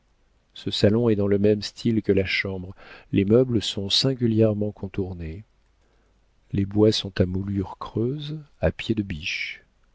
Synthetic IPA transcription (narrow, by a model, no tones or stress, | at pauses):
səsalɔ̃ɛd̪ɑ̃ləmɛmst̪ʰilkəlaʃɑ̃bʁlʔemœbləsɔ̃sɛ̃ɡʲyljɛʁmɑ̃kʰɔ̃t̪uʁne | lebwasɔ̃t̪amulyʁkχøzapjed̪əbiʃ